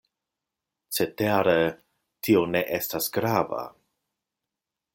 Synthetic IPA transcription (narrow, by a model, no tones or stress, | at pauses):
t͡seteɾe | tʰioneʔestasɡ̥ɾava̰